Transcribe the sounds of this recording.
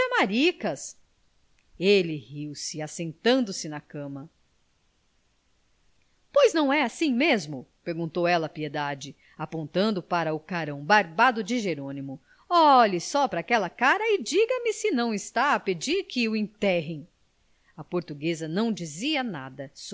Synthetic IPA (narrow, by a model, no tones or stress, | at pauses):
ɐmaɾikɐs | elɪhiwsɪasẽnt̪ɐ̃nd̪ʊsɪnɐkɐ̃mɐ | pojznɐ̃w̃ɛasĩmezmʊpeɾɡũnt̪owɛlɐːpied̪ad͡ʒɪ | apõnt̪ɐ̃nd̪ʊpaɾɐʊkaɾɐ̃w̃baɾbad̪ʊd͡ʒɪʒeɾõnimʊ | ɔlɪsɔpɾɐaːkɛlɐkaɾɐɪd͡ʒiɡɐmɪsɪnɐ̃w̃ɪst̪aɐped͡ʒiɾkʰɪʊẽnt̪ɛɦẽj̃ | ɐpoɾt̪uɡezɐnɐ̃w̃d͡ʒiziɐna̰d̪ɐs